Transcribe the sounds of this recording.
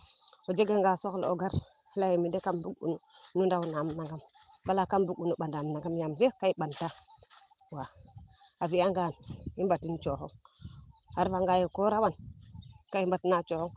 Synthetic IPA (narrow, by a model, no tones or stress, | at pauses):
od͡ʒeɡaŋɡasoklo̰ɡaɾ | hlajemidekambuɡṵnunundawunamnaɡam | balakambuɡunuɓandamnaɡamjams̬ekaiɓanta | wa | aviaŋɡanimbatint͡ʃoxo̰ŋ | haɾvaŋɡajekoɾawan | kaimbatnat͡ʃohoŋ